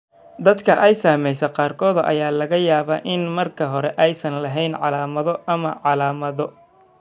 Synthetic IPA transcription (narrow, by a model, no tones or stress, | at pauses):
d̪ɐd̪kʰɐʔɛjsaːmɛjsɐqɑːrkʰɔːðʔɐ̰jaːlɐɣɐjaːβaːʔɪnmɐrkʰɐɦɔɾɛʔɛjsɐnlɐɦɛjnʕɑ̰laːmɐðɔʔɐmɐʕɑlaːmɐðɔ